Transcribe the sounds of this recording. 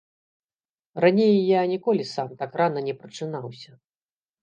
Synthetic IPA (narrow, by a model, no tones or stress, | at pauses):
ranʲejːanʲikɔlʲisamt̪akranɐnʲɛpɾɐt͡ʂɨnawsʲɐ